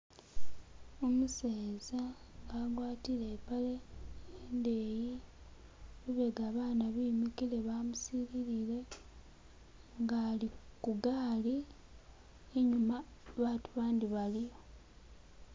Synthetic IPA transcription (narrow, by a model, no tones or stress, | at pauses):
o̞museːzaŋɡaɡwaːtilepaleendeːji | luβe̞ɡaːβaːnaβiːmikile̞βamusiɾiɾile̞ | ŋɡaːlikuɡaːli | eɲumaβaːtuβaːndiβalijo̞